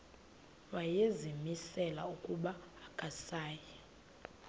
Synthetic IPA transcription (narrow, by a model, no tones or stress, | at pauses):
wajezimisɛla̰ukʼuɓaːkʼasaːjɛ